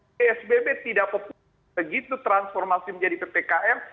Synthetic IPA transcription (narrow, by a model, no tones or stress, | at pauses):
eɛsbebet̪idaʔpop | əɡit̪ut̪ɾansfɔrmasiməɲd͡ʒadipepekaʔɛr